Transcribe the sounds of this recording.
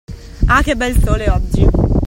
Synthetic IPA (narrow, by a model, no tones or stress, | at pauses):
akebːɛlsoːleɔd͡ʒːi